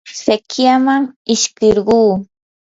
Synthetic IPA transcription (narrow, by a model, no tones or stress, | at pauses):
sekjamaŋɪʃkɪɾɢuː